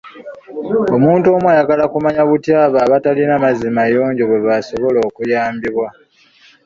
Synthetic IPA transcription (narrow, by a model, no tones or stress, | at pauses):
o̞muːntuo̞mwajaɡalakumaɲaβutjaːβaːβatalinamazimajo̞ːɲɟoβwe̞βaso̞βo̞lo̞ːkujaːmbiβwa